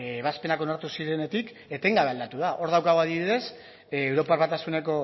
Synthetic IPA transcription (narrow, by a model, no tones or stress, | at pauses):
βaspe̞nako̞naɾt̪usiɾe̞ne̞t̪ik | et̪e̞ŋɡaβald̪at̪uðaʔo̞ɾðawkaɣoaðiβiðe̞s | ewɾo̞paɾβat̪asune̞ko̞